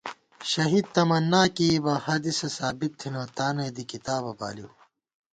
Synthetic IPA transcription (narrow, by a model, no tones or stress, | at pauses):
ɕɐɦiːd̪̚t̪ɐmɐnːaːkibɐːhaːd̪isesaːbit̪ʰːinoːt̪aːneːd̪ikit̪aːbɐba̰ːliw